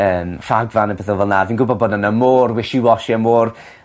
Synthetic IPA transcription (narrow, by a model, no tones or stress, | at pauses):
əːmfaɡvanəbɛθəlˠvɛlˠnavinɡʊbɔboːdənəmoːrwɪʃɪwɔʃiəmoːr